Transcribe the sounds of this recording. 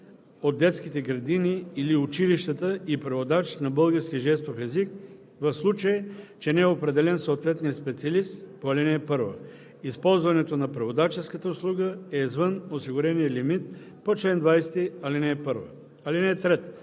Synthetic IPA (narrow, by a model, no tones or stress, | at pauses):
od̪̚ːɛt̪skit̪ɛɡɾɐd̪iniːliut͡ʃiliʃt̪ət̪əipɾɐvod̪at͡ʃnɐbɤlˠɡəɾsk̟ʲiʒɛst̪ofɛzik | vɐfslˠut͡ʃəjɛt͡ʃɛnɛɛopɾɛd̪ɛlɛnsoːt̪vɛt̪niəspɛt̪siɐlist̪poɐlinɛːpɤɾvə̰ | ispɔlˠzvɐnɛt̪onɐpɾɐvod̪at͡ʃɛskət̪əʊslˠuɡəɛizvənosiɡʊɾɛnijəlimit̪̚ | pot͡ʃlɛnd̪vajst̪iɐlinɛːpəɾvə̰ | alinɛɛt̪ɾɛt̪